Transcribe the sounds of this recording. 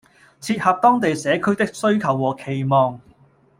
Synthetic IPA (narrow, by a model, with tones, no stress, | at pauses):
t͡sʰiː˧t̚hɐ˨p̚t̪ɔː˥ŋt̪̬e˨jsɛː˨˥kʰɵ˥ɥt̪ɪ˥k̚sɵ˥ɥkʰɐ˨˩wːɔː˨˩kʰe˨˩jmɔː˨˧ŋ